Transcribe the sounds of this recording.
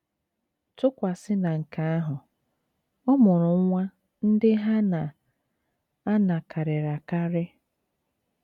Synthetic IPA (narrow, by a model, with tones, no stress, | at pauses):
tʊ˦kʷa˨sɪ˦na˨ŋ̩˨ka˨˦a˦ɦʊ˨ | ɔ˦mʊ˨ɾʊ˨˦ŋʷa˦ | n̩˦dɪ˦ɦa˦na˨ | a˦na˨kʰa˨ɾɪ˨ɾa˨ka˦ɾɪ˦